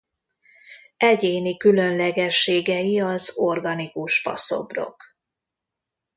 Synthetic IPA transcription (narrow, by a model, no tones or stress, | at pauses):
ɛɟeːnikylø̞nlɛɡɛʃːeːɡɛjiɒzorɡɒnikuʃfɒ̰so̞̰bro̞̰k